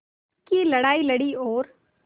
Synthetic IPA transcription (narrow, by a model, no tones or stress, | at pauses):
kilɐɽaːilɐɽioːɾ